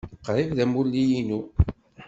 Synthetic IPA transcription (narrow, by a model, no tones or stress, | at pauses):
qːɾˤivðæmulːijinu